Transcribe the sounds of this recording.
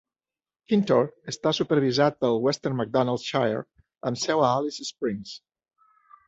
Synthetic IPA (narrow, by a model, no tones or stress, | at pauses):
kint̪oɾəst̪asupəɾβizat̪̚pəlˠwɛst̪əɾnmək̚d̪ɔnalˠt̪ʃajə̰ɾ | əmsɛwaalisispɾiŋs